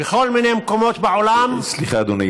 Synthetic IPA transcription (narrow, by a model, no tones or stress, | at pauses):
eχo̞lminejmko̞mo̞t̪beʕolamsliχaːd̪oni